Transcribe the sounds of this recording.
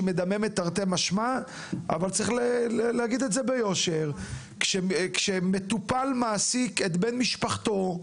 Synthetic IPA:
med̪ame̞met̪aʁt̪emaʃma | a̰valt͡saʁiχleleleaɡid̪etzebejo̞ʃeʁ | kʃekʃemet̪upalmaːsiket̪benmiʃpaχt̪o̞

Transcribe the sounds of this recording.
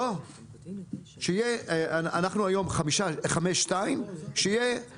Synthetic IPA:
o | ʃeijeaanaχnuajo̞mχamiʃaχameʃːtaimʃeje

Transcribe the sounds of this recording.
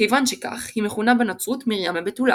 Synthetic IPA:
ejvanʃeka̰χhimeχunabenat͡sut̪miʁjamebet̪ula̰

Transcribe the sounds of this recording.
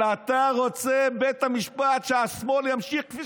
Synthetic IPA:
at̪aʁo̞t͡sebet̪hamiʃpat̪ʃeasmoljamʃiχkfi

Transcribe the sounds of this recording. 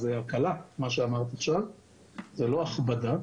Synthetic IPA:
zeakalamaʃeamaʁt̪iaχʃav | zelo̞aχbad̪a

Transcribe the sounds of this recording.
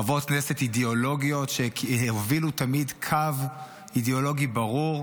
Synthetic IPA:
avotknesetideolo̞ɡio̞tʃeovilutamidkʰav | ideo̞lo̞ɡibaʁuʁ

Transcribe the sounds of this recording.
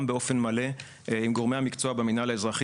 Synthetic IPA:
mbeo̞fe̞nmale̞ | imɡo̞ʁmehamikt͡soabeminaleezʁaχ

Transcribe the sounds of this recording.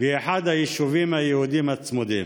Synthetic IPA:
vieħad̪hajiʃuvimhajehud̪imat͡smud̪iːm

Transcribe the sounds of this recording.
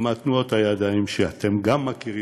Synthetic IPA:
mat̪nuo̞t̪ajad̪aimʃeat̪e̞mɡamːakiʁi

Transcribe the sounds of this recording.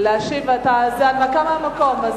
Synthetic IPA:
leaʃivat̪azeanvakamamako̞maz

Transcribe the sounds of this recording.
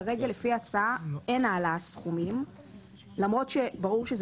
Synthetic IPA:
ʁe̞ɡalefiat͡saae̞naːlatsχumim | lamʁo̞tʃebaʁuʁʃez

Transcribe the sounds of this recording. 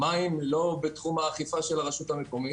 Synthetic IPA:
maimlo̞bet̪χumhaːχifaʃelaʁaʃut̪hamekomi

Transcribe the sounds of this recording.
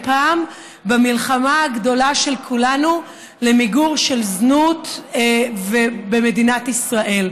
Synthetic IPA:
paːm | bamilχamaɡdo̞laʃe̞lkʰulanu | lemiɡuʁʃe̞lznut̪ | vebeme̞d̪inat̪isʁaʔe̞l

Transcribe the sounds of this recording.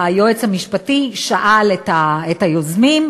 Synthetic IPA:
ajoet͡shamiʃpatiʃaʔaletaethajozmim

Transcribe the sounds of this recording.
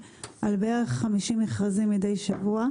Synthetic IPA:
ʔalbeeʁeχːamiʃimeχʁazimjidejʃavua

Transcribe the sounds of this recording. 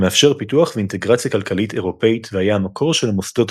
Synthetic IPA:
meafʃe̞ʁpituaχveint̪e̞ɡʁat͡sjakalkalit̪e̞ʁo̞pe̞itvehajaamakʰo̞ʁʃe̞lamosd̪o̞t

